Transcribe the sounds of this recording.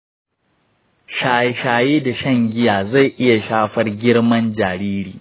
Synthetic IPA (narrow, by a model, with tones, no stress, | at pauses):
ʃa˨˦ʃaː˨jeː˦da˨ʃɐ˦˨ŋɡʲɪ˦jaː˨za˦˨jʔɪ˦ja˨ʃaː˦ɸɐ˦rɡʲɪ˦ɽmɐ˦nd͡ʒaː˨ɾiː˦ɾḭː˨